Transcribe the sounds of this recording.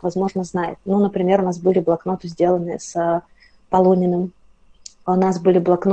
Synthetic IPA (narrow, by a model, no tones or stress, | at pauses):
vɐzmo̞ʐnəznajɪ̰t̪̚nunəpɾʲɪmʲe̞ɾʊnasbɨlʲɪblˠɐkno̞t̪ɨzʲdʲelˠənːɨjəsə | pɐlˠonʲɪnɨm | ʊnasbɨlʲɪblˠɐkn